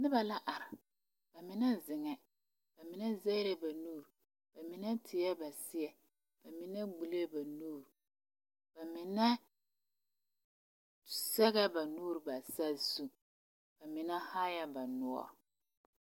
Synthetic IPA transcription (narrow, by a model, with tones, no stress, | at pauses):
nɪ˦ba˨la˦ʔa˨ɾɪ˨ | b̥a˨mɪ˨na˦zɪ˨ŋɛ˨ | b̥a˨mɪ˨nɛ˦zɛ˦ɾɛ˦ba˨nuː˦˨ɾ | b̥a˨mɪ˨nɛ˦tʰɪ˨jɛ˦ba˨sɪ˦ɛ˨ | b̥a˨mɪ˨nɛ˦ɡ͡bu˨le˦ba˨nuː˦˨ɾ | b̥a˨mɪ˨nɛ˦ | sɛ˦ɣa˦ba˨nuː˦ɾba˨sa˦zu˦ | b̥a˨mɪ˨na˦ha˦ja˦ba˨nʊ˦a̰˦˨